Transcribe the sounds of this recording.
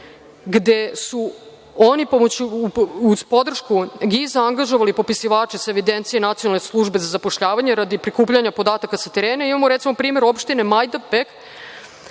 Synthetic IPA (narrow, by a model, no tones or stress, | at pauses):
ɡd̪e̞su | onipomot͡ɕuuspo̞d̪r̩ʃkuɡizaaŋɡaʒoʋalipo̞pisiʋaːt͡ʃisaeʋid̪ent̪sije̞nat̪sijonalneslˠuʒbe̞zazapoʃʎaːʋaɲeɾad̪ipɾikuːpʎaɲapo̞d̪aːt̪akasat̪eɾeːneimamoɾet̪simo̞pɾiːme̞ɾo̞pʃt̪ine̞majd̪apek